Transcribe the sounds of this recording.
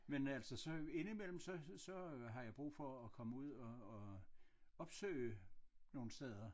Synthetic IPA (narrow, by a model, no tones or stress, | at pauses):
menæl̰sɒsɒ̽e̝nimel̰m̩sɒ̽sɒ̽ɦɑ̈jɑ̈ɪb̥ʁṵːfɒːkʰɒ̽məuð̞̰ˠɒ̽ː | ɒ̽b̥sø̰ɪno̝ːn̩sd̥eð̞ˠɐ